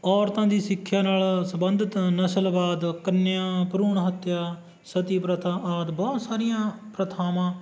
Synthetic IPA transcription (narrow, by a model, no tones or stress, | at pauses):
ɔːɾt̪ãːd̪iːsɪkʰːjaːnaːlsəmbənd̪ət̪nəsəlbaːd̪kənːjãːpɾuːɳɦət̪ːjaː | sət̪iːpɾət̪ʰãːʔaːt̪bɔːt̪saːɾɪjãːpɾət̪ʰaːmãː